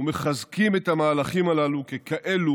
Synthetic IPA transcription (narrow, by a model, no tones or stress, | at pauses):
meχazkimetamaːlaχimalalukekaʔelu